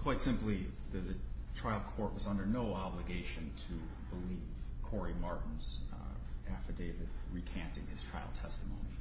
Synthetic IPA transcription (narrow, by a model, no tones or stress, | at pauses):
kʰw̥aɪtsɪ̃mpli | ðɨðɨtʰɹ̥aɪl̚ˠkʰɔɹt̚wʌzʌ̃ndə˞noʊɑblɨɡeɪʃɨ̃ntʰɨ | bəlivv̥kʰɔɹimɑɹʔn̩z̥ | æfɨdeɪvɨd̚ɹikʰæ̃ntɪ̰̃ŋɨz̥tʰɹ̥aɪlˠtʰɛstəmõ̰ʊ̃ni